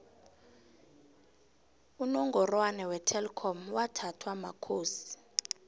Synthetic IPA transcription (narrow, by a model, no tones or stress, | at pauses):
unɔŋɡʱɔrwanɛwɛtʰɛlkʰɔmwatʰatʰwama̰kʰoːsi̥